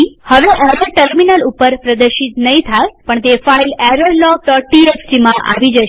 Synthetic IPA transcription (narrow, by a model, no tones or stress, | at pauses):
ihəʋeʔəɾəʈəɾminalupːəɾpɾəd̪əɾʃit̪nəɦĩt̪ʰajpəɳt̪efailɛɾoɾlɔʈɔʈiesʈimãʔa̰ʋid͡ʒəʃ